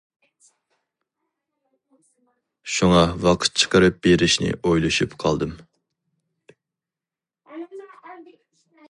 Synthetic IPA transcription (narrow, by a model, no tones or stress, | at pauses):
ʃuŋɑwɑqʰə̥t̪̚t͡ʃʰə̥qʰəɾɨp̚beɾɪʃnɪ̰ojlˠɨʃupqʰɑlˠd̪ɨm